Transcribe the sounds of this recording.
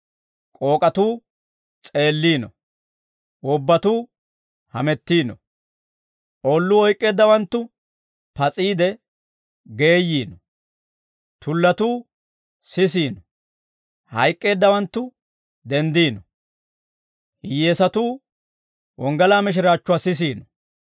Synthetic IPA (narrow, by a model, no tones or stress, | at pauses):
kʼo̞ːkʼɐt̪uː | t͡sʼe̞ːlːiːnɔ | ʊbːɐt̪uː | hɐmɛt̪ːiːnɔ̰ | ʔoːlːʊɔjkʼːe̞ːd̪ːɐwɐnt̪ːʊ | pɐt͡sʼiːd̪ɛ | ɡe̞ːjːiːnɔ | t̪ʊlːɐt̪uː | sɪs̬iːnɔ | hɐjkʼːe̞ːd̪ːɐwɐnt̪ːʊ | d̪ɛnd̪iːnɔ | hɪjeːsɐt̪uː | wʔɔŋɡɐlaːmɪʃ̬ɪɾaːt͡ʃːʊwaːsɪs̬iːnɔ